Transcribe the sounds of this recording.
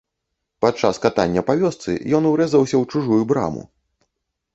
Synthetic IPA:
pat͡ʂaskat̪anʲːɐpavʲɔst̪sɨ̰jɔnuwɾɛzɐwsʲɐwt͡ʂuʐujubɾa̰mṵ

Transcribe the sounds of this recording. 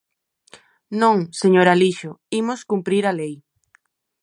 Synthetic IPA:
nõŋseɲoɾaliʃoimoskumpɾiɾalej

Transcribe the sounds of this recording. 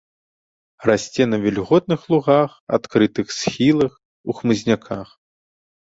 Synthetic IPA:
rasʲt͡sʲɛnɐvʲɛlʲɣɔt̪̚nɨxlˠuɣaxa̰t̪kɾɨt̪ɨxsʲxʲilˠɐx | uxmɨzʲnʲakʰax

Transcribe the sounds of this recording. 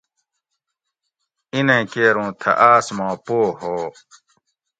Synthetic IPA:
inẽːkeːɾũːt̪ʰɐ̰ʔaːsmãːpoːhoː

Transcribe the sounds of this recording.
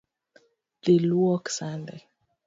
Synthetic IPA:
ðeluɔksãnde

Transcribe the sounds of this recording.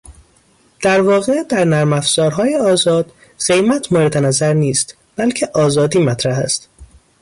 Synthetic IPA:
d̪̥æɾvɒːɣe̞d̪æɾnæɾmæfz̥ɒːɾɦɒːjeɒːzɒːd̪̥ | z̥e̞jmæt̪ʰmoɾed̪enæzæɾniːst̪ | b̥ælcʰe̞ʔɒːzɒːd̪iːmæt̪ʰɾæɦæ̰st̪

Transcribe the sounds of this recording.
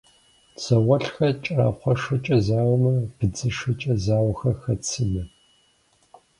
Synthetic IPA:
sʰɐwɐɬxɐt͡ʃʼɐɾa̰ːχʷɔʂɐt͡ʃʼɐzaːwmɐb̥ɨd͡zɨʂɐt͡ʃʼɐzaːwxɐxɐt͡sʰɨnɐ

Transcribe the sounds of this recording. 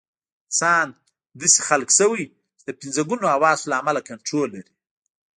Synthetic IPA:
sɑːn | d̪əse̥xalksawi | t͡ʃed̪əpɪnzaɡunoawɑzlaːmalakaɳʈɾolːaɾi

